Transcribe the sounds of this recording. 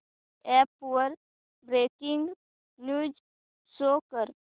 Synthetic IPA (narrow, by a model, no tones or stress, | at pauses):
ɛpːuəɾ | bɾeːkɪŋɡ | nuːd͡ʒ | soːkəɾ